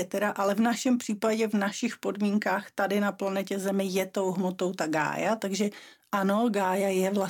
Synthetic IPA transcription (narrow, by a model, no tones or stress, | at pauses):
ɛt̪ɛɾaʔalɛvnaʃɛmpr̥iːpaɟɛvnaʃɪxpo̞dmiːŋkaːxt̪adɪnaplanɛcɛzɛmɪjɛt̪o̞wɦmot̪owt̪aɡa̰ːjat̪aɡʒɛʔanoɡaːjajɛvla